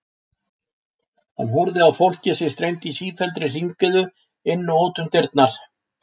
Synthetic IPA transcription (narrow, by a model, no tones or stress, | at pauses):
ha̰nɦuɾðɪawfowl̥cɪsɪ̥st̪ɾejnt̪isiːfɛlt̪ɾɪriŋkʏðʏ | ɪnːawoːt̪ʏmt̪ɪɾt̪naɾ̥